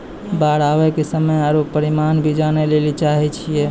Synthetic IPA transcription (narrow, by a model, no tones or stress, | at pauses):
baɾaʋɛkesəməjaɾopəɾimanbʱid͡ʒanelelit͡ʃaɦɛt͡ʃʰijɛ